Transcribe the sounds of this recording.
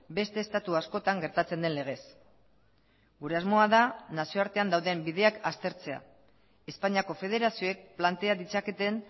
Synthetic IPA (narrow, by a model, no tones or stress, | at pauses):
be̞st̪e̞ːst̪at̪uasko̞t̪aŋɡe̞ɾt̪at͡se̞nd̪e̞nle̞ɣ̞e̞s | ɡuɾe̞azmo̞aðanasio̞aɾt̪e̞and̪awðe̞mbiðe̞akast̪e̞ɾt͡se̞a̰ | e̞spaɲiako̞fe̞ð̞e̞ɾasio̞e̞k̚plant̪e̞aðit͡sake̞t̪e̞n